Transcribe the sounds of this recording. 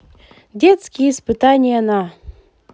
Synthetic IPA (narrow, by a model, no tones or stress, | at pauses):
dʲet̪skʲijispɨt̪anʲɪjənɑ